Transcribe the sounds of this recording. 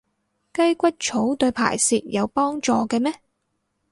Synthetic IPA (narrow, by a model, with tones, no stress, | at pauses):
kɐ˥jkʷɐ˥t̚t͡ʃʰo˨˥wt̪ɵ˧ɥpʰa̰ː˨˩jsiː˨t̚jɐ˨˧wpɔː˥ŋt͡ʃɔː˧kɛː˧mɛː˥